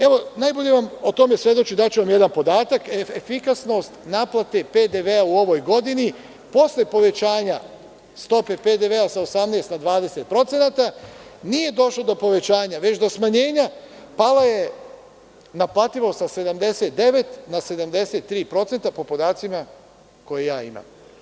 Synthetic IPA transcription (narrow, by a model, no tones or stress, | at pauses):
e̞ʋo̞najbo̞ʎe̞ʋamo̞t̪o̞me̞sʋje̞d̪o̞t͡ɕid̪at͡ɕuʋamje̞d̪anpo̞d̪aːt̪akeefikasno̞st̪naːplˠat̪e̞ped̪eʋeauo̞ʋo̞jɡo̞d̪ini | po̞slepo̞ʋe̞t͡ɕaːɲa | st̪o̞pe̞ped̪e̞ʋeasaosamneːst̪nad̪ʋaːd̪e̞se̞t̪̚pɾo̞t̪se̞nat̪anije̞d̪o̞ʃlo̞d̪o̞po̞ʋe̞t͡ɕaːɲaʋe̞t͡ɕd̪o̞smaɲe̞ːɲa | palaje̞ | naplˠaːt̪iʋo̞sase̞d̪amd̪e̞se̞t̪̚d̪e̞ʋe̞t̪nase̞d̪amd̪e̞set̪ːɾiːpɾo̞t̪se̞nt̪apo̞po̞d̪aːt̪sima | ko̞jejaːima̰m